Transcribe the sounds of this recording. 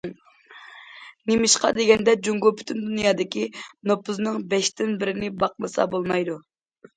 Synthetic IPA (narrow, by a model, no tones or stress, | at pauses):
nemɪʃqɑ̰d̪eɡʲɛnd̪ɛd͡ʒuŋɡolˠpʰy̥t̪ʰynd̪unjɑːd̪ɪkʲinopʰʊznɨŋbɛʃt̪ɪnbɪɾɪnɪbɑq̚mɨsɑ̰bolˠmɑjd̪u